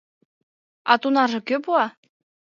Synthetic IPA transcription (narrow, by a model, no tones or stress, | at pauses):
ɑt̪unɑʒɤ̆køpuɑ